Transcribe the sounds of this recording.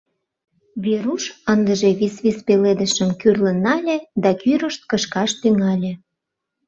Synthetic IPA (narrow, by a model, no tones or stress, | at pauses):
βeɾuʃənd̪əʒeβisβispeled̪əʃə̆mkyrlə̆nːɑlʲed̪ɑkyɾəʃt̪̚kəʃkɑʃt̪yŋɑlʲĕ